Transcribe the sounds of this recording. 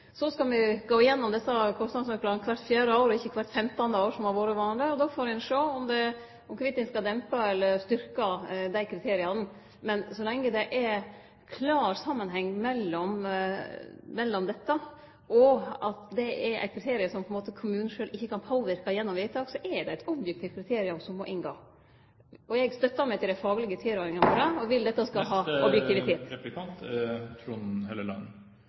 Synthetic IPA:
sɔskɑlʋɪɡ̥oːɪjɛnːɔmd̪ɛsːɑkʰɔstnɑd̪smɑplɑːɡnkʰʋæɾt̪fjæːɾəoːɾɔɪçːəkʰʋæɾt̪fɛmt̪ɑnd̪əoːʂɔmɑʋoːɾəʋɑːnlɪɔd̪oːfoːɾɛnʂoːɔmd̪ɛ | ɔmkʋɪt̪ːɪnskɑd̪ɛmpɑɛlːəɾst̪ʏɾkɑd̪æɪkʰɾɪt̪ʰeːɾɪɑn | mɛnsɔlɛŋːəd̪ɛʔɛ | kʰlɑːɾsɑmːənɦɛŋːmɛlːɔm | mɛlːɔmd̪ɛt̪ːɑ | ɔɑt̪d̪ɛʔɛɾʔæ̰ɪt̪̚kʰɾɪt̪ʰeːɾɪəsɔmpʰɔɛnmoːt̪əkʰʊmʉːn̩ʂøːlɪçːəkɑnpʰoːʋɪɾkɑjɛnːɔmʋiːt̪ɑːɡsɔʔɛɖ̪ɛæɪt̪ɔbjɛk̚t̪ʰɪːft̪kʰɾɪt̪ʰeːɾɪʊmsɔmmɔʔɪŋɡoː | ɔjɛɡst̪œt̪ːɑmɛɪt̪ʰɪld̪æfɑːɡlɪɡət̪ʰiːɾoːɾɪŋɑnfɔɾɛɔʋɪld̪ɛt̪ːɑskɑɦɑːɔbjɛkt̪ɪʋɪeːt̪ɛp̪ɪkʰɑnt̪t̪ʰɾuːnheləlɑ̰n

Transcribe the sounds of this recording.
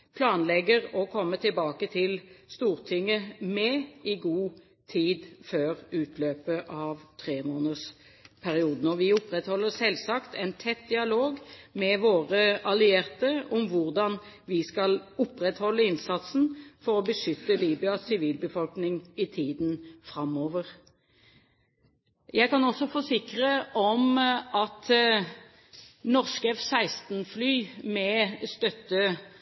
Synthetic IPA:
pʰlɑːnlɛɡəʁɔkʰɔmːət̪ʰɪlbɑːkət̪ʰɪlst̪uːʁt̪ʰɪŋːəmɛːɪɡuː | t̪ʰiːd̪føːʁʉːt̪ʰløːpəʔɑʋt̪ʰʁeːmoːnəs | pʰæʁɪuːd̪ənɔʁʋɪʊpʁɛt̪hɔlːəsɛlsɑkt̪ʰɛɪnt̪ʰɛt̪̚d̪ɪɑloːɡmɛʋoːʁəʔɑlɪeːʁt̪əʊmʋʊʁd̪ɑn | ʋɪskɑlʊpːʁɛt̪hɔlːəɪnsɑt̪sn̩fɔʁɔbəʃʏt̪ːəliːbɪɑsɪʋiːlbəfɔlknɪŋɪt̪ʰiːd̪nfʁɑmoːʋəʁ | jæɪkɑnɔsɔfɔsɪkʁəʔɔmɑt̪ | nɔʁskɛfsæɪst̪nflyːmɛst̪œt̪ːə

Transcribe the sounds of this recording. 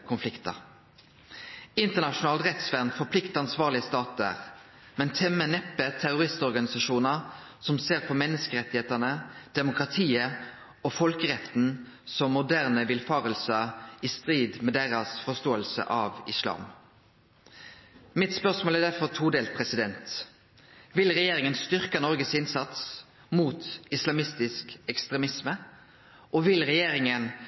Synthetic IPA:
kʰʊnflɪkt̪ɑ̰ | ɪnt̪əʁnɑʂʊnɑːlt̪ʁɛt̪sʋæʁnfɔpʰlɪkt̪əɑnsʋɑːʁlɪəst̪ɑːt̪ə̰ʁ | mɛnt̪ʰɛmːənɛpːət̪ʰæʁʊʁɪst̪ɔʁɡɑnɪsɑʂuːnəsɔmseːʁpʰɔmɛnːəskəʁɛt̪ːɪheːt̪ənəd̪̥ɛmʊkʁɑt̪ʰiːə | ɔfɔlkəʁɛt̪n̩ | sɔmːʊd̪æʁnəʋɪlfɑːʁəlsəist̪ʁiːd̪mɛd̪eːʁɑsfɔst̪oːəlsə̰ʔɑʋɪslɑ̰ːm | mɪt̪spœʁsmoːlæd̪æʁfɔʁt̪ʰuːd̪eːlt̪̚pʰʁɛsɪd̪ɛnt̪ | ʋɪlʁɛjeːɾɪŋənst̪ʏʁkənɔʁɡəsɪnsɑt̪s | muːt̪ɪslɑmɪst̪ɪskɛkst̪ʁɛmɪsmə | ʔɔʋɪlʁɛjeːɾɪŋən

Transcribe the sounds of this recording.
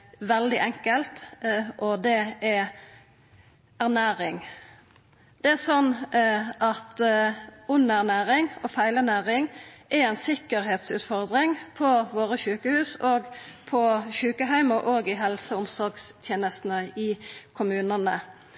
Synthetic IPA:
ʋɛld̪ɪʔɛŋkəlt̪ʔɔd̪ɛʔɛ | æʁnæːɾɪŋ | d̪̥ɛæsɔnː | ɑt̪ | ʊnːæʁnæːɾɪŋɔfæɪlæʁnæːɾɪŋʔɛɛɪnsɪkəɾɦeːt̪sʉ̰ːt̪fɔʁd̪ɾɪŋpʰɔʋoːɾəʃʉːkəhʉːsoːɡpʰɔʃʉːkəɦæɪməʔoːɡɪɦɛlsəʊmsɔɾɡst̪ʰjeːnəst̪n̩əɪkʰʊmʉːnənə

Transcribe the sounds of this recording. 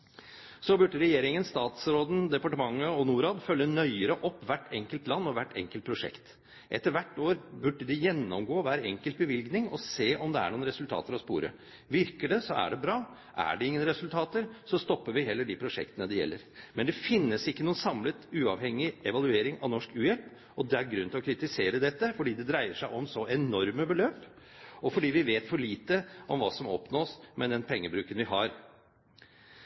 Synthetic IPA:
sɔbʉɖːəɾɛjeːɾɪŋənst̪ɑːt̪sɾoːd̪n̩d̪ɛpɑʈəmɑŋːəɔnuːɾɑːd̪fœlːənœʏəɾəʔɔpːʋæʈːɛŋkəlt̪lɑnːɔʋæʈːɛ̰ŋkəlt̪pʰɾʊʂɛ̰kt̪ | ʔɛt̪ːəɾʋæʈːoːɾbʉɖːəd̪ɪjɛnːɔmɡoːʋæːɾɛŋkəlt̪̚bəʋɪlɡnɪŋɔseːʔɔmd̪ɛæ̰ɳuːnɾɛsʉlt̪ʰɑ̰ːt̪əɾɔspṵːɾə̰ | ʋɪɾkəɖɛsɔæ̰ɖɛbɾɑː | ʔæ̰ɖɛɪŋːənɾɛsʉlt̪ʰɑːt̪əɾsɔst̪ɔpːəɾʋɪɦɛlːəɖɪpʰɾʊʂɛ̰kt̪ənəd̪ɛjɛ̰lːəɾmɛnd̪ɛfɪnːəsɪkːənuːənsɑmlət̪ʉːɑʋhɛŋːɪɛʋɑlʉeːɾɪŋɑ̰ʋnɔʂkʉːjɛlp | ɔd̪ɛæɾɡɾʉnːt̪ɪlɔkʰɾɪt̪ɪseːɾəd̪ɛt̪ːəfɔɖiːd̪ɛd̪ɾæɪəʂæɪʔɔmsɔʔɛnɔɾməbəløːp | ɔfɔɖiːʋɪʋeːt̪fɔɭiːt̪əʔɔmʋɑːsɔmɔ̰pnoːsmɛd̪ɛnpʰɛŋːəbɾʉːkənʋɪɦɑɾ

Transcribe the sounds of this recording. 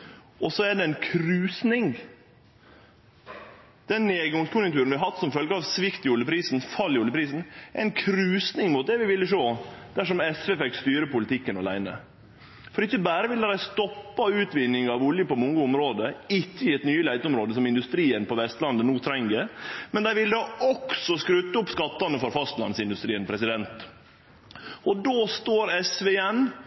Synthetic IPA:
ʔɔsɔɛɖɛɛnkʰɾʉːsnɪŋ | d̪̥ɛnːeːɡʊŋskʰʊnjʊŋt̪ʉːɾənʋɪhɑhɑt̪ːsɔmfœlɡəɑʋsʋɪkt̪ɪʊljəpʰɾiːsn̩fɑlːɪjʊljəpɾiːsn̩ɛɛnkʰɾʉːsnɪŋmʊːt̪̚d̪ɛʋɪʋɪlːəʂoːd̪̥æʂɔmɛsʋeːfɛkst̪yːɾəpʊlɪt̪ʰɪkːənɑlæ̰ɪnə̰ | fɔɾɛɪçːəbæːɾəʋɪld̪əɾæst̪ɔpːɑʉːt̪ʋɪnːɪŋɑʋʊljəpɔmʊŋːəʊmɾoːd̪əɪçːəjɪɛt̪nyːəlæɪt̪əɔmɾoːd̪əs̬ɔmɪnd̪ʉst̪ɾiːənpɔʋɛst̪lɑnd̪ənuːt̪ʰɾɛŋɡəmɛnd̪æɪʋɪlːəd̪ɑɔksɔskɾʉːt̪ːəʊpːskɑt̪ːɑnəfɔɾfɑst̪lɑ̰nsɪnd̪ʉst̪ɾiːənpʰɾɛsɪd̪ɛnt̪ | ɔd̪oːst̪oːɾɛsʋeɛn

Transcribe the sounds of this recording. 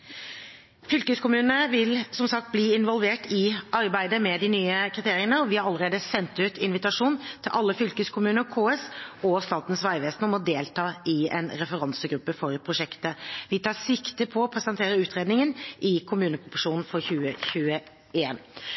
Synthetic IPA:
fʏlkəskʰʊmʉːnnəʋɪlsɔmsɑk̚t̪̚bliːɪnʋɔlʋeːʈʰɪɑɾbæɪd̪əmɛd̪ɪnyːəkʰɾɪt̪ʰeːɾɪənəɾɔʋɪhɑɾɑlːəɾeːd̪əsɛnt̪ʉːt̪ʰɪnʋɪt̪ɑʂuːnt̪ʰɪlʔɑlːəfʏlkəskʰʊmʉːnəɾkʰoːɛsɔst̪ɑːt̪n̩sʋæɪʋeːsnɔmɔd̪eːlt̪ʰɑːʔɪɛ̰nɾɛfəɾɑnsəɡɾʉpːəfɔɾpʰɾʊʂɛkt̪əʋɪt̪ʰɑːsɪkt̪əpʰɔːpʰɾɛsənt̪ʰeːɾəɾʉːt̪ʁeːd̪nɪŋənʔɪkʰʊmʉːnəpʰʁʊpɔʂuːnn̩fɔɾçʉːəçʉːə | eːn

